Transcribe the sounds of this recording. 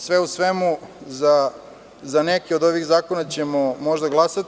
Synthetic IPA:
sʋeusʋemuza | zanekeo̞d̪o̞ʋiɣzaːko̞nat͡ɕemomo̞ʒd̪aɡlˠasat̪

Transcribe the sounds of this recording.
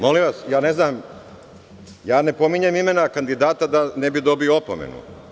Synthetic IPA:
mo̞liʋasjaːne̞znaːm | jaːne̞po̞miɲemime̞nakand̪id̪aːt̪ad̪anebid̪o̞bioopo̰mḛnṵ

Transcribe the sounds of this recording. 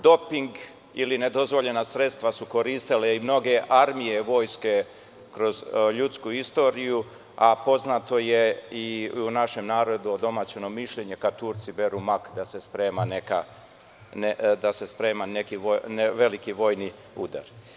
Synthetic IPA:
d̪o̞piŋɡ | iline̞d̪o̞zʋo̞ʎe̞nasɾe̞t̪st̪ʋasuko̞ɾiːst̪ileimno̞ɡe̞ʔaɾmije̞ʋo̞ːjske̞ | kɾo̞zʎut̪skuist̪o̞ːɾiju | apo̞znat̪o̞je̞iunaʃe̞mnaːɾo̞d̪uod̪o̞mat͡ɕeno̞miʃʎe̞ɲe̞kat̪uːɾt̪sibe̞ɾumakd̪ase̞spɾeːmaneka | ned̪ase̞spɾe̞ːmanekioneʋe̞likiʋo̞ːjni | ud̪a̰ɾ

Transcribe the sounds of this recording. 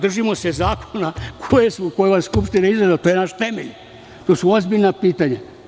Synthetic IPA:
d̪r̩ʒimo̞sezaːkʰonakʰojesokojeʋasskupʃt̪inaizɾazlat̪oːjenaʃt̪e̞mḛʎ | t̪oːsuozbiʎnapiːt̪aɲa

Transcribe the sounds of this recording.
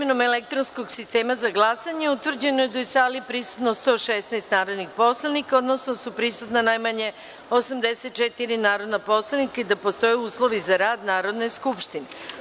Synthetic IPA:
imeno̞melek̚t̪ɾonsko̞ɡsist̪e̞ːmazaɡlˠasaɲeut̪ʋr̩d͡ʑe̞nojed̪ajesaːlipɾisu̥t̪nost̪o̞ːʃesnejst̪naːɾod̪nixpo̞slˠanikao̞d̪no̞snosupɾisut̪nanajmaɲe̞ | osamd̪e̞set̪̚t͡ʃet̪iɾinaːɾo̞d̪napo̞slˠanikaid̪apo̞st̪o̞jɛuːslˠo̞ʋizaɾaːd̪naːɾo̞d̪ne̞skupʃt̪ine

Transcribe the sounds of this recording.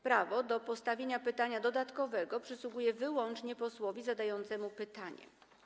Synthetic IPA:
pɾavɔd̪ɔpɔst̪avʲjeɲapɘt̪aɲad̪ɔd̪at̪kɔvɛɡɔpʂɘswuɡujɛvɘwɔnt͡ʂɲɛpɔswɔvʲizad̪ajɔnt̪sɛmupɘt̪aɲɛ̰

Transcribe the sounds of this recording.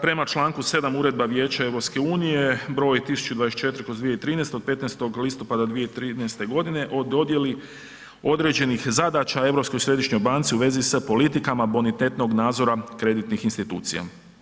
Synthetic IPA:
pɾe̞mat͡ʃlˠaːŋkuse̞d̪amuːɾe̞d̪̚baʋje̞ːt͡ɕae̞ʋɾopske̞uːnije̞bɾo̞ːjt̪isu̥t͡ʃud̪ʋades̚t͡ʃe̞t̪ɾkozd̪ʋijeit̪ɾiːneːst̪eod̪̚pe̞t̪nest̪o̞ɡlist̪o̞pad̪ad̪ʋijeit̪ɾiːnɛst̪e̞ɡo̞d̪ine̞ʔo̞d̪o̞d̪je̞li | o̞d̪ɾe̞ːd͡ʑe̞nixzad̪at͡ʃae̞ʋɾo̞pskojsɾe̞d̪iʃɲojbaːnt̪siuʋe̞zispo̞lit̪ikamabonit̪e̞t̪no̞ɡnaːd̪zo̞ɾakɾe̞d̪it̪nixinst̪it̪ṵːt̪sija̰

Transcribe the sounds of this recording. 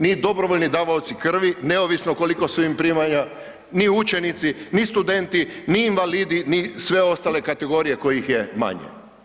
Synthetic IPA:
nid̪o̞bɾoʋoʎnid̪aːʋaot̪sikr̩ʋine̞oʋisnoko̞liko̞suimpɾiːmaɲa | niut͡ʃe̞nit̪sinist̪ud̪e̞nt̪iniːnʋaliːd̪inisʋe̞o̞st̪ale̞kat̪e̞ɡo̞ɾije̞ko̞jixjema̰ɲḛ

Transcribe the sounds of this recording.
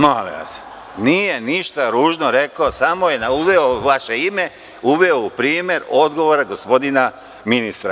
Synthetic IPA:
malḭʋa̰se | nije̞niʃt̪aɾuːʒno̞ɾe̞kosamoje̞nauʋeoʋaʃe̞ime | uʋeoupɾiːmje̞ɾo̞d̪ɡo̞ʋoɾaɡo̞spo̞d̪ina | minist̪ɾa̰

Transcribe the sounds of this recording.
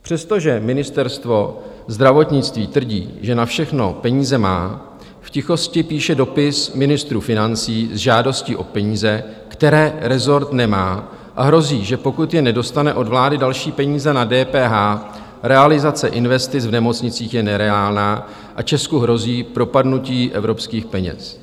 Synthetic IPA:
pr̥ɛst̪o̞ʒɛmɪnɪst̪ɛɾst̪vo̞ | zd̪ɾavo̞t̪ɲɪt͡st̪viːt̪vr̩ɟḭːʒɛnafʃɛxno̞pɛɲiːzɛmaː | fcɪxo̞scɪpiːʃɛdo̞pɪsmɪnɪst̪ɾuːfɪnant͡siːzʒaːdo̞sciʔo̞pɛɲiːzɛkt̪ɛɾɛːɾɛzo̞ɾt̪nɛmaː | ʔaɦɾo̞ziːʒɛpo̞kut̪jɛnɛdo̞st̪anɛʔo̞dvlaːdɪdalʃiːpɛɲiːzɛnadɛːpɛːɦaː | ɾɛalɪzat͡sɛʔɪnvɛst̪ɪt͡svnɛmo̞t͡sɲɪt͡siːxjɛnɛɾɛaːlnaː | ʔat͡ʃɛskuɦɾo̞ziːpɾo̞padnuciːʔɛvɾo̞pskiːxpɛɲɛ̰s

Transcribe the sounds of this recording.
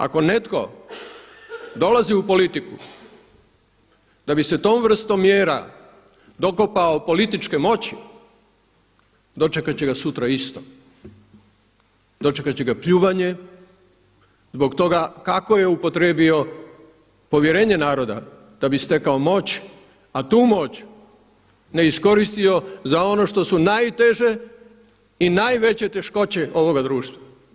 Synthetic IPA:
a̰ko̞ne̞t̪ko̞ | d̪o̞laziupo̞lit̪iku | d̪̥abise̞t̪o̞ːmʋr̩st̪omːjeːɾa̰ | d̪o̞ko̞paopo̞lit̪it͡ʃke̞mo̞t͡ɕi | d̪o̞t͡ʃe̞kat͡ɕeɡasut̪ɾaist̪o | d̪o̞t͡ʃekat͡ɕeɡapʎuːʋaɲe̞ | zbo̞kt̪o̞ɡakako̞jeupo̞t̪ɾe̞ːbio̞ | po̞ʋje̞ɾe̞ːɲe̞naːɾo̞d̪a̰ | d̪̥abist̪e̞kaomo̞t͡ɕ | at̪uːmo̞t͡ɕ | ne̞isko̞ɾist̪io̞zao̞no̞ʃt̪o̞sunajt̪e̞ʒe̞ | inajʋe̞t͡ɕe̞t̪e̞ʃko̞t͡ɕe̞ʔo̞ʋo̞ɡad̪ɾuːʃt̪ʋa

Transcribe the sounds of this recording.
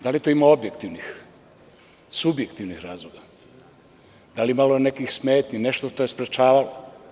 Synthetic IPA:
d̪alit̪oimaobje̞kt̪iʋnix | subjekt̪iʋnixɾaːzlˠoɡa | d̪aliimalone̞kixsme̞ːt̪nʲine̞ʃt̪oʃt̪ojespɾet͡ʃaːʋalo

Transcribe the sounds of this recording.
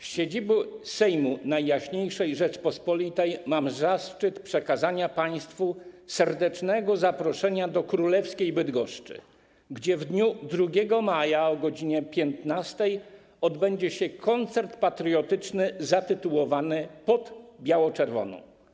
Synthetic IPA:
fɕed͡ʑibusɛjmunajːaɕɲejʂɛjʐɛt͡ʂpɔspɔlʲit̪ɛjmamzast͡ʂɘt̪pʂɛkazaɲapaj̃st̪fusɛɾd̪ɛt͡ʂnɛɡɔzapɾɔʂɛɲad̪ɔkɾulɛfskʲejbɘd̪ɡɔʂt͡ʂɘ̰ | ɡd͡ʑɛvd̪ɲud̪ɾuɡʲɛɡɔmajaɔɡɔd͡ʑiɲɛpʲjɛnt̪nast̪ɛj | ɔd̪bɛɲd͡ʑɛɕɛkʰɔnt̪sɛɾt̪pat̪ɾɨjɔt̪ɘt͡ʂnɘzat̪ɘt̪uwɔvanɘpɔd̪bʲjawɔt͡ʂɛɾvɔ̰nɔ̰̃w̃

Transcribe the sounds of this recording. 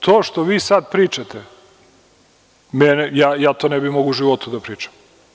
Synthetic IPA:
t̪ʰoːʃt̪oʋiːsad̪pɾiːt͡ʃat̪e | mɛnejaːjaːt̪onɛbimoɡuuʒiʋot̪ud̪apɾiːt͡ʃḁm

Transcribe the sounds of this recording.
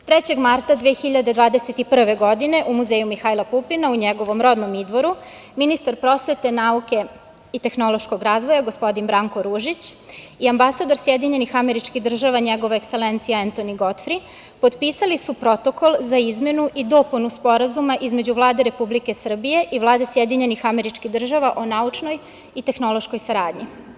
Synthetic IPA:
t̪ɾet͡ɕe̞ɡmaɾt̪ad̪ʋeːxiʎad̪e̞d̪ʋaːd̪eset̪ipr̩ʋe̞ɡo̞d̪ine̞ʔumuzejumixaːilˠapupinauɲeɡo̞ʋo̞mɾo̞d̪nomid̪ʋo̞ɾu | minist̪aɾpɾo̞sʋe̞t̪e̞nauke̞ | it̪e̞xno̞lˠo̞ʃko̞ɡɾaːzʋo̞jaɡospo̞d̪inbɾaːŋko̞ɾuːʒit͡ɕiambasad̪oɾsjed̪iɲe̞nixameɾit͡ʃkiɣd̪r̩ʒaʋaɲeɡo̞ʋoekse̞lent̪sijaant̪oniɡo̞t̪fɾi | po̞d̪piːsalisupɾo̞t̪o̞ko̞lˠzaizmje̞nuʔid̪o̞punuspo̞ɾazumaʔizme̞d͡ʑuʋlˠaːd̪eɾe̞publikesr̩bije̞ʔiʋlˠaːd̪esjed̪iɲe̞nixame̞ɾit͡ʃkiɣd̪r̩ʒaʋaʔonaut͡ʃno̞j | it̪e̞xno̞lˠo̞ʃko̞jsaɾaːd̪ɲi

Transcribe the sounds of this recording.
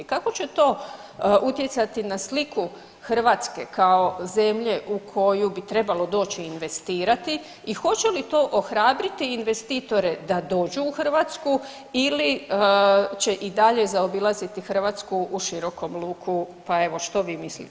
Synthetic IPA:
kako̞t͡ɕe̞t̪o̞ː | ʔut̪jet̪sat̪inasliku | xr̩ʋaːt̪ske̞kao̞ze̞mʎe̞ʔukʰo̞jubit̪ɾe̞balo̞d̪o̞ːt͡ɕiːnʋe̞st̪iːɾat̪i | ixo̞t͡ɕe̞lit̪o̞ːʔo̞xɾaːbɾit̪iinʋe̞st̪iːt̪o̞ɾe̞d̪ad̪o̞ːd͡ʒuːxr̩ʋat̪sku | ili | t͡ʃe̞ʔid̪aʎe̞zaobilˠazit̪ixər̩ʋaːt̪skuʔuʃiɾo̞ko̞mlˠuːkʰupae̞ʋo̞ʃt̪o̞ʋiːmislḭ

